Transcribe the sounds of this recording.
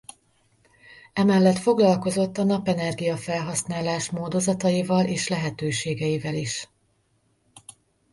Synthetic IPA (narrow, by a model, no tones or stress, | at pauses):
ɛmɛlːɛt̪fo̞ɡlɒlko̞zo̞t̪ːɒnɒpɛnɛrɡijɒfɛlɦɒsnaːlaːʃmoːd̪o̞zɒt̪ɒjivɒlʔeːʃlɛɦɛt̪øːʃeːɡɛjivɛliʃ